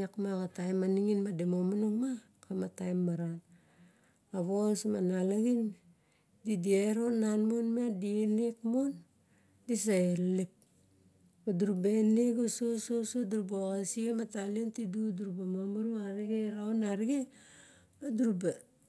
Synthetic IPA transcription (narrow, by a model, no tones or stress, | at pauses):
akmaɣatajmaniŋinmademomanoŋma | kamatajmːaɾan | aβosmanalaɡin | didieɾo̞nːanmonmiadienekmon | dis̬aelip̚ | baduɾubaeneɡosososoduɾuboɣasiamataliontiduduɾubamomaɾuaɾiɡeɾaonaɾiɡe | aduɾuba